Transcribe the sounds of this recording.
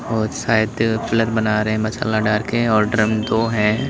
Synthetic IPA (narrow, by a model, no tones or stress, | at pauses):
ɔːsaːɪd̪fɪləɾbɐnaːɾɐɦɛ̃mɐsa̰ːlaɖaːɾkeɛ̃ɔːɾɖɾəmd̪oɦɛ̃ː